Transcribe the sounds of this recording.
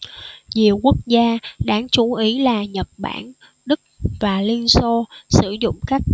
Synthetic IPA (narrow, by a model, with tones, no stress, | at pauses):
zi˨˩əwku˦˥ək̚zaː˧ɗaː˨˥ŋt͡ɕu˨˦ʔi˨˦laː˨˩ɲə˨˩t̚ɓa̰ː˧˩n | ɗɨ˦˥k̚vaː˨˩li˧ənso˧sɨ˧˩zʊ̰˧˨ŋ͡mkaː˦˥k̚